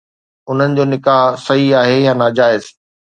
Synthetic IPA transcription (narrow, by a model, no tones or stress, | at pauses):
ʊn̤ənɪ̆d͡ʑoːnɪkaːɦsɐɦiaːɦejãːnaːd͡ʑaːɪz